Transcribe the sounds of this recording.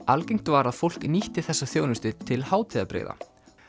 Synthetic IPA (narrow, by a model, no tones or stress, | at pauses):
alkejŋ̥t̪vaɾaðfowl̥kniht̪ɪθɛsːaθjownʏst̪ɪt̪ʰɪlhaːwt̪ʰɪːðapɾḛːða̰